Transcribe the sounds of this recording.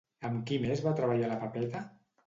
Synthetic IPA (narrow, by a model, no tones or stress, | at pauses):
əmkimezβat̪ɾəβaʎaləpapɛt̪a